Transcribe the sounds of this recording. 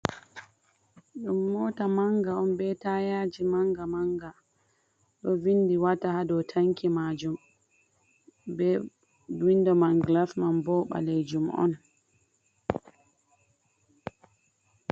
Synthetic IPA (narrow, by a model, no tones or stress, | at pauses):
ɗumːɔːtamaŋɡaɔnbɛtajad͡ʒimaŋɡamaŋɡa | ɗɔvindiwatahadɔtʰaŋkimad͡ʒum | bɛ | windɔmanɡlafmanbɔɓa̰lejd͡ʒumɔ̰n